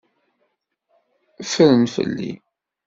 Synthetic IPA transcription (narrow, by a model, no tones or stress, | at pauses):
fəɾənfə̰lːḭ